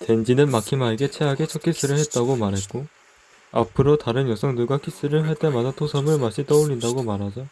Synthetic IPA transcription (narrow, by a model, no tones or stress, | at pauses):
te̞nd͡ʑinɯnmakʰimaeɡe̞t͡ɕʰe̞ɦaɡe̞t͡ɕʰʌkʰis͈ɯɾɯɭhet̚t͈aɡomaɾɦe̞t̚k͈o | a̰pʰɯɾotaɾɯnjʌsʰʌŋnuɭɡakʰis͈ɯɾɯɭɦaɭt͈e̞madatʰosʰʌmɯɭmaɕ͈ʰit͈ʌuʎːindaɡomaɾɦad͡ʑo